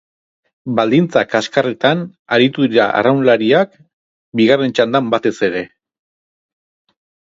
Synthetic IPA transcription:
bald̪int͡sakaskaret̪anaɾit̪uðiɾa̰ʔa̰rawnlaɾiak | biɣare̞nt͡ʃand̪ambat̪e̞se̞ɾe̞

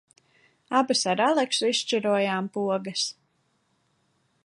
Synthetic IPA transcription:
abɨsaɾalˠɛksuist͡ʃiɾuɔjaːmpuɔɡɐs

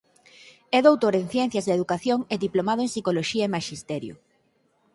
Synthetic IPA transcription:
ɛðowt̪oɾeŋθjɛn̟θjɐzðeðukaθjoŋeðiplomaðoeŋsikoloʃiaemaʃist̪ɛɾjʊ̰

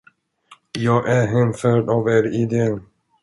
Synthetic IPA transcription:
jɑːɡʔæɾɦɛmfœːɖɑːveːɾɪd̪eːn

